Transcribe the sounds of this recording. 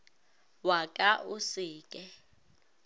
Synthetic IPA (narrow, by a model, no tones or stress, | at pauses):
wakʼaʔusiːk̬ʼɛ